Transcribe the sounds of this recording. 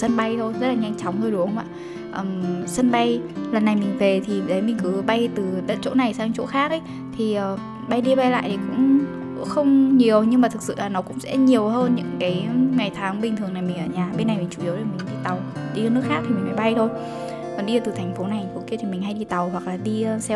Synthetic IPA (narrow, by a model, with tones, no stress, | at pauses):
sə˧nɓa˧jt̪ʰo˧jzə˦˥t̚laː˨ɲa˧jŋ̟t͡ɕɔ˨˦wŋ͡mzo˧jɗu˨˦ə˧ma̰ː˧˨ | ʔəː˧˨˩msə˧nɓa˧jlə˨˩nːa˨˩jmï˨˩ŋ̟ve˨˩t̪ʰi˨˩ɗə˨˦jmï˨˩ŋ̟kɨ˨˦ɓa˧jt̪ɨ˨˩ɗə̰˧˥t͡ɕo̰˧˥na˨˩jsaː˧ŋ˧t͡ɕo̰˧˥xaː˦˥k̚ʔə˨˦j | t̪ʰi˨˩ʔəː˨˩ | ɓa˧jɗi˧ɓa˧jla̰ː˧˨jt̪ʰi˨˩kʊ̰˧˥ŋ͡m | xə˧wŋ͡mɲi˨˩əwɲɨ˧ŋmaː˨˩t̪ʰɨ˨˩k̚sɨ̰˧˨laː˨˩nɔ˨˦kʊ̰˧˥ŋ͡msɛ̰˧˥ɲi˨˩əwɦəː˧nɲɨ̰˧˥ŋkaː˨˦jŋa˨˩jt̪ʰaː˨˦ŋɓi˨˩ŋt̪ʰɨ˨˩əŋna˨˩jmï˨˩ŋʔəː˧˩ɲaː˨˩ɓe˧na˨˩jmi̟˨˩t͡ɕu˧˩ʔi˨˦wɾo˨˩mi˨˩ŋ̟ki˧˩t̪a˨˩wɗi˧əː˧nɨ˦˥əkxaː˦˥t̪ʰi˨˩mi̟˨˩ma˨˦jɓa˧jt̪ʰo˧j | kɔ˨˩nɗi˧˨˩t̪ɨ˨˩t̪ʰŋ̟fo˨˦na˨˩jŋfo˨˦ki˧ət̪ʰi˨˩mï˨˩ŋ̟ɦa˧jɗi˧t̪a˨˩whwa˨˩k̚laː˨˩ɗi˧sɛ˧